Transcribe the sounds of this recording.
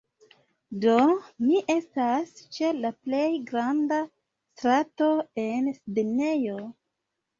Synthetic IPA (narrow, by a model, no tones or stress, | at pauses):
do̞miʔe̞stast͡ʃe̞laple̞jɡɾanda | stɾato̞e̞nsdene̞jo̞